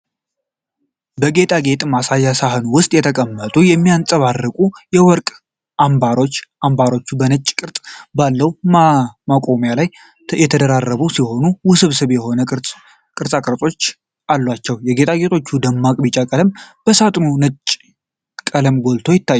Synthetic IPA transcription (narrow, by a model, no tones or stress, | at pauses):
bəɡe̞t̪ʰʼaɡe̞t̪ʼmasajːasaɦɨnuwʊst̪ʼjɛt̪ʰəkʼəmːət̪ʼujɛmːijant͡sʼəβarːəkʼujɛwɔɾkʼ | ʔambaɾo̞t͡ʃːʔambaɾo̞t͡ʃːubənət͡ʃʼːkʼɨɾt̪ʼbalːəw | makʼo̞mjalaj | jɛt̪ʰəd̪əɾarːəβusiho̞nuwʊsɨβsɨβjɛho̞nə | kʼɨɾsʼakʼɾət͡sʼo̞t͡ʃː | ʔalːwat͡ʃːɛwjɛɡe̞t̪ʼaɡe̞t̪ʰo̞t͡ʃːud̪əmːakʼbit͡ʃʼakʼələmb̥əsat̪ʼnonət͡ʃʼː | kʼələmɡo̞lt̪ʰo̞jɪt̪ʰːajːu